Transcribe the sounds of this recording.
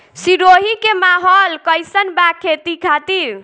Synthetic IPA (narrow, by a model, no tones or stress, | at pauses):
siɾoɦikemaɦɔlkəjsənbakʰet̪ikʰat̪iɾ